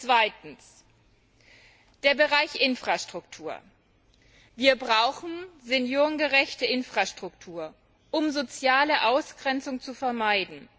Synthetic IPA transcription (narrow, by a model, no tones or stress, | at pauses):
t͡sv̥aɪtn̩s | d̥eːɐbəʁaɪçʔɪnfʁ̥aʃtʁ̥ʊktʰuːɐ | viːɐbʁaʊxn̩zenjoːʁənɡəʁɛçtəʔɪnfʁ̥aʃtʁ̥ʊktʰuːɐ | ʔʊmzot͡sjaːləʔaʊsɡ̥ʁɛnt͡sʊŋt͡sufɛɐmaɪdn̩